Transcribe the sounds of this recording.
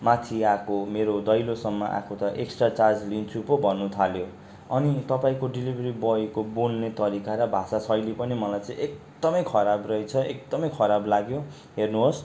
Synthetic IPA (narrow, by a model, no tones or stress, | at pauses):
mat̪ʰiakʰomeɾod̪ʌjlosʌmːʌʔa̰kʰot̪ʌʔeksʈrat͡sad͡zlint͡sʰupobʱʌnːut̪ʰaljo | ʌnit̪ʌpaĩkoɖilibʱɾibʌikobolnet̪ʌɾikaɾʌbʱasasʌjlepʌnimʌlajt͡sʌ̃ĩʔek̚ | d̪̥ʌmʌjkʰʌɾabrʌit͡sʰʌekd̪ʌmʌjkʰʌɾablaɡjo | ɦernuɦos